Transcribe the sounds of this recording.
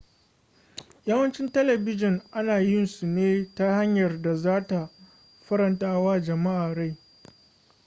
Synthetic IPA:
ja˦wɐ˦nt͡ʃɪ˦ntɐ˦lɐ˨bɪ˦d͡ʒɪ˨ŋʔa˦naː˨jɪ˦nsu˨neː˦ta˦ha˦ɲjɐ˨rda˨zaː˦ta˨ | ɸɐ˦ɾɐ˨ntaː˦waː˦d͡ʒɐ˨ma˦ʔaː˨ɽa˦˨j

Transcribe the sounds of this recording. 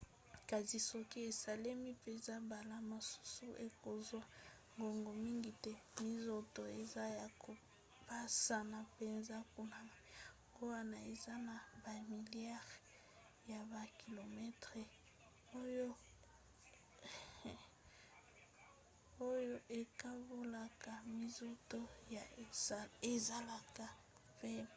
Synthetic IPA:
ka˨zi˨so˦ki˦e˨sa˨le˦mi˦pe˨nza˦ba˨la˦ma˨su̥˦su˦ʔe˨ko˨zwa˦ | ŋɡo˨ŋɡo˨mi˦ŋɡi˨tɛ˦mi˦zo˨to˨e˨za˦ja˨ko˨ | pa˦sa˨na˨pe˨nza˦ku˦na˨a˨ŋɡo˦wa˦na˨e˨za˦na˨ba˨mi˨ljɛ˦ʁ | ja˨ba˨ki˨lo˨mɛ˦tʁe˨ | o˦jo˦ | o˦jo˦ʔe˨ka˦bo˦la˨ka˨mi˦zo˦to˦ja˨ | e˨za˦la˨ka˨ | pe˦

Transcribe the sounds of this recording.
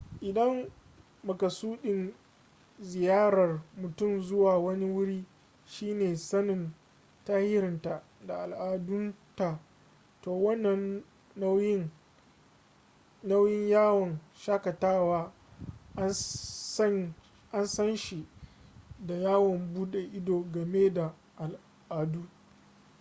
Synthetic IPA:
ʔɪ˨dɐ˦m | mɐ˨kɐ˨suː˦ɗɪ˨n | zɪ˨jaː˦ɾɐ˨rmʊ˨tʊ˦˨mzʊ˦waː˨wɐ˦ni˦wʊ˦ɽiː˦ | ʃiː˦neː˨sɐ˦nɪ˨n | ta˦hɪ˦ɾɪ˨nta˨ | da˨ʔa˨lʔaː˨dʊ˦nta˨ | toː˨wɐ˦nːɐ˦nː˦ | na˦wjɪ˦ɲjaː˦wɐ˨nʃaː˦kɐ˨taː˦waː˦ | ʔa˦nsɐ˦nʃi˨ | da˨jaː˦wɔ˨mbuː˦ɗe˨ʔɪ˦doː˨ɡɐ˨meː˦da˨ | ʔa˨l | ʔaː˨duː˦

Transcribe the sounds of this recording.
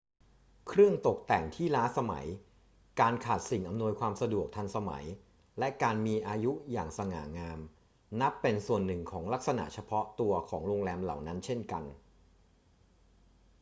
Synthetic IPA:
kʰɾɯ˥˩əŋt̪o˨˩k̚t̪ɛ˨˩ŋt̪ʰiː˥˩laː˦˥sa˧ma̰˩˦j | kaː˧nkʰaː˨˩t̪̚si˨˩ŋʔa˧mnu˧əjkʰwaː˧msa˧du˨˩ək̚t̪ʰa˧nsa˧ma̰˩˦j | lɛ˦˥kaː˧nmiː˧ʔaː˧ju˦˥jaː˨˩ŋsa˧ŋa̰ː˩˦ŋaː˧m | na˦˥pːe˧nsu˨˩ənːɯ˨˩ŋkʰɔː˩˦ŋla˦˥k̚sa˧na̰˨˩ʔt͡ɕʰa˧pʰɔ˦˥t̪u˧ɐkʰɔː˩˦ŋɾoː˧ŋlɛː˧mla̰˨˩wna˦˥nt͡ɕʰe˥˩nka˧n

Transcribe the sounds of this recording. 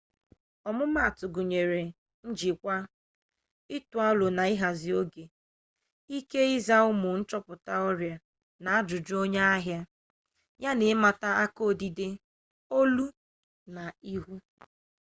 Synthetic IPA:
ɔ˨mʊ˦ma˦˨tʊ˨ɡʊ˨ɲe˨ɾe˨ | n̩˦d͡ʒi˨kʷa˦ | ɪ˦tu˨a˦lo˨na˨i˦ɦa˨zi˨o˦ɡe˨ | i˦ke˦i˦za˦ʊ˦mʊ˨n̩˦t͡ʃɔ˦pʊ˨ta˦ɔ˦ɾja˨ | na˨a˦dʊ˨d͡ʒʊ˦o˦ɲe˦a˦ɦja˦ | ɲa˦nɪ˨˦ma˨ta˦a˦ko˦˨di˨de˦ | o˦lu˦ | na˨i˦ɦu˦

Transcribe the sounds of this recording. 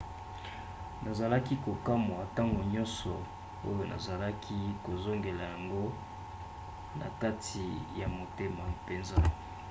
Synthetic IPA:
na˨za˨la˦ki˦ko˨ka˦m˨a˨ta˦ŋɡo˨ɲɔ̃˦nsɔ˨ | o˦jo˦nʔa̰˨za˨la˦kʰi˦ko˨zo˦ŋɡe˨la˨ja˨ŋɡo˦ | na˨ka˦tʰi˨ja˨mo˨te˦ma˨pe˨nza˦

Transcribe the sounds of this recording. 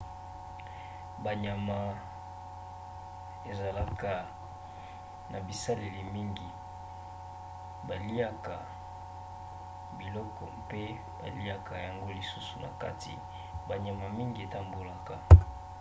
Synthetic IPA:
ba˨ɲa˨ma˨ | e˨za˨la˦ka˨ | nʔa˨bi˨sa˦le˨li˨mi˦ŋɡi˨ | ba˨li˦a˦ka˨ | bi˨lɔ˦kɔ˨pe˦ | ba̰˨li˦a˨ka˨ja˨ŋɡo˦li˨su˦su˨na̰˨ka̰˦tʰḭ˨ | ba˨ɲa˨ma˨mi˦ŋɡi˨e˨ta˦mbo˨la˦ka˨

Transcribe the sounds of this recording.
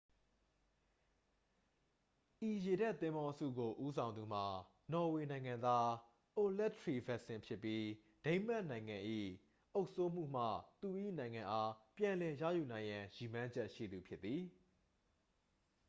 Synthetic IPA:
ʔi˨je˨dɛ˦ʔt̪ɪ̃˦mbɔ˦ʔsṵ˦˨ɡo˨ʔu˦sʰã˨ʊ̃nd̪u˨m̥a˨ | nɔ˨we˨nã˨ɪ̃ŋã˨nd̪a˦ | ʔo˨lɛ˦˨tʰɹi˨vɛ˦˨ʔsɪ̃˨mpʰjɪ˦pːji˦ | d̥ẽ˦ɪ̃m̥ɛ˦ʔnã˨ɪ̃ŋã˨ʔḭ˦˨ | ʔo˦ʊʔso˦m̥ṵ˦˨m̥ä̰˦˨t̪u˨ʔḭ˦˨nã˨ɪ̃ŋã˨ʔa˦pjã˨lɛ˨jä̰˦˨ju˨nã˨ɪ̃jã˨ji˨mã˦ɲd͡ʑɛ˦ʔʃḭ˦˨d̪u˨pʰjɪ˦t̪ːi˨

